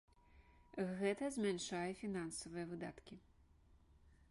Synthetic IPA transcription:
ɣɛt̪ɐzʲmʲanʂajɛfʲinansɐvɨjɐvɨd̪at̪kʲi

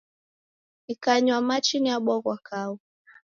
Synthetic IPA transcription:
nikaɲwamat͡ʃiniaɓɔɣwakau

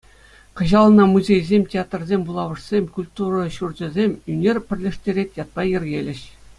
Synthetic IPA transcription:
kɤ̆ʑɑlˠɤnɑmuzʲejzʲemʲtʲeat̪rzʲemʲbulˠɑʋɤ̆ʂsʲemʲkulʲt̪urɤ̆ɕurd͡ʑɤ̆zʲemʲynʲerʲpʲɘ̆rʲlʲĕʂtʲeɾʲetʲjɑt̪̚pɑjɘ̆rʲɡʲelʲɘ̆ɕ

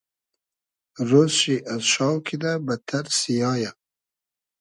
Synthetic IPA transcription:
ɾozʃiʔazʃɑːwkʰid̪abat̪ʰaɾsijɑːja

